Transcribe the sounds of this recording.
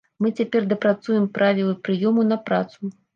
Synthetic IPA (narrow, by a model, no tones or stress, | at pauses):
mɨt͡sʲapʲɛrd̪ɐpɾat̪sujɛmpɾavʲilˠɨpɾɨjɔmunɐpɾa̰t̪su